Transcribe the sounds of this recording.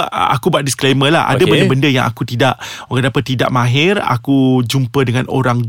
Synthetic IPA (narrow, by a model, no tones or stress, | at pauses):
a̰kubaʔ̪̚disklemə̃laɦʔa̰dabəndəbəndəja̰ŋa̰kut̪idaʔɡadapat̪ːida̰ʔmãɦɪra̰kud͡ʒumpədəŋãno̰ɾaŋ